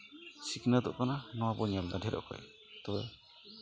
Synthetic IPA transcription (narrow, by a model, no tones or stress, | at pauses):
siknad̪ɔ̰ʔk̪ananɔ̃wabɔɲald̪aɖʱɛɾɔ̰ʔkɔ̰j | t̪ɔbɛ